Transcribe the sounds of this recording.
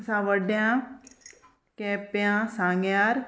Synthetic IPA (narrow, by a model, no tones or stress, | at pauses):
sãːʋəɖjãː | keːpjãːsãːŋɡjaːɾ